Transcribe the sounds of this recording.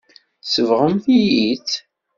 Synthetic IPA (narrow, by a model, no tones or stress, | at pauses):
səvʁəmθijit͡s